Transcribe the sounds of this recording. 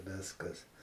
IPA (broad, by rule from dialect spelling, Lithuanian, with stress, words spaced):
ˈʋʲɪskɐs